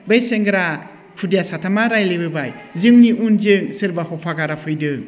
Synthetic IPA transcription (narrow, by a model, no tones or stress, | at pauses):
bejseŋɡɾa | kʰudijasatʰamaɾajlebɯbajzɯŋniʔunzɯŋsɯɾbahɔpʰaɡaɾapʰɯjdɯ